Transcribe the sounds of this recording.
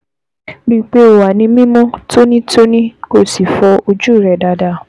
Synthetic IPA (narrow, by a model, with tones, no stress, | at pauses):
bi˦˨k͡pe˦o˨wa˨nĩ˧mĩ˦mɔ̃˦to˦nĩ˦to˦nĩ˦ko˦˨si˨fɔ˧o˧d͡ʒu˦i˨ɾɛ˨da˨da˧˨